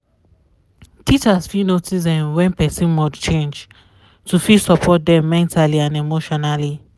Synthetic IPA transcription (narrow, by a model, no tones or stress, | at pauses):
tʰit͡ʃasfinotis̬dɛ̃mwɛ̃npɛsĩnmɔdt͡ʃẽnd͡ʒ | tufisɔpʰɔt̚dɛ̃mːɛ̃ntʰaliãnemoʃɔnali